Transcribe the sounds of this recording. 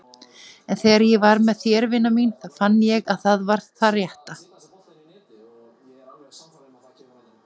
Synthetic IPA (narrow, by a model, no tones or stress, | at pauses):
ɛnθɛɾjɛvaɾmɛðθjɛːɾvɪnːaminθaðfanːɪjɛɣaðθaðvaɾ̥ðθarjɛht̪a